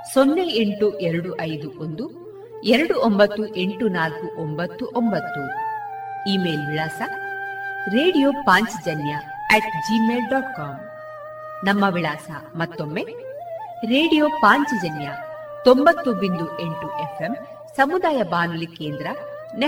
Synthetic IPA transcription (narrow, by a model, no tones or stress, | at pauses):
sonːeeɳʈuʔeɾɐɽuʔɐjd̪uʔond̪u | ɛɾɐɽuombɐt̪ːuʔe̞ɳʈunaːlkuʔombɐt̪ːuʔombɐt̪ːu | iːme̞ːlʋiɭaːsɐ | ɾe̞ːɽijoːpaːɲt͡ʃid͡ʒɐnjɐ | ɛʈd͡ʒime̞ːlɖaːʈkaːm | nɐmːɐʋiɭaːsɐmɐt̪ːo̞mːe | ɾeːɽijoːpaːɲt͡ʃid͡ʒɐnjɐ | t̪ombɐt̪ːubind̪ue̞ɳʈuʔepʰem | sɐmud̪aːjɐbaːnulike̞ːnd̪ɾɐn